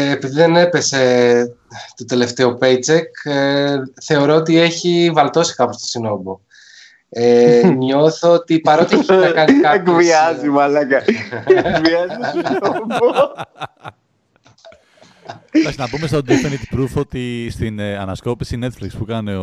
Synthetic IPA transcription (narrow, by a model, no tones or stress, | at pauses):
piðiðe̞ne̞pe̞se̞ | t̪o̞t̪e̞le̞ft̪e̞opejt͡sekeθe̞o̞ɾo̞ot̪ie̞çivɐlt̪o̞si̥kɐpo̞st̪o̥sino̞bo | eɲo̞θoot̪ipɐɾot̪ɐkɐnikɐekviɐzimɐlɐkɐ | viɐzsinobo | ɐksnɐpumest̪od̪ɾifenit̪pɾufot̪ist̪inɐnɐsko̞pisine̞t̪flikspukɐne